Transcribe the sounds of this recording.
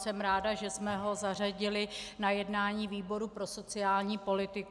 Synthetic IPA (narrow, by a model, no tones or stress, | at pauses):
sɛmɾaːdaʒɛsmɛɦo̞zar̝aɟɪlɪnajɛdnaːɲiːviːbo̞ɾupɾo̞so̞t͡sɪaːlɲiːpo̞lɪt̪ɪk